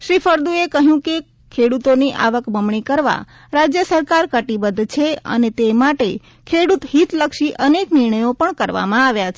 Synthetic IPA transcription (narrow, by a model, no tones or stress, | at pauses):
ʃɾifʰəɾd̪uekəɦjũke | kʰeɽut̪oniʔa̰ʋəkbəmɳikəɾʋa̰ | ɾad͡ʒjəsəɾkaɾkəʈibəd̪t͡ʃʰeə̰net̪emaʈe | kʰeɽut̪ɦit̪ləkʃiʔənekniɾɳ̃əjopəɳkəɾʋa̰mãaʋjat͡ʃʰe